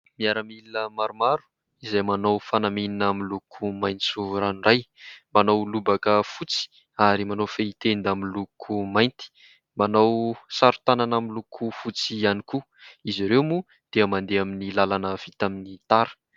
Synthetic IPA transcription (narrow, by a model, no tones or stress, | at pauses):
miaɾəmilinəmaɾumaɾu̥ | izajmanowfanamininamilukʰumajnt͡suɾanurajmanowlubakəfut͡si̥ | aɾimanowfeit̪end̪amilukʰumajnt̪i̥ | manowsaɾu̥t̪ananamilukʰufut͡sianiku | iziɾewmu | d̪̥eəmand̪eaminilalanəv̥it̪aminit̪aɾə̥